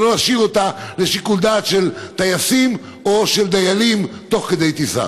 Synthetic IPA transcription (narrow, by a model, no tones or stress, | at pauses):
loaʃivo̞t̪ale̞ʃikuld̪at̪ʃelt̪ajasim | o̞ʃeld̪ajalimt̪o̞χked̪e̞jt̪isa̰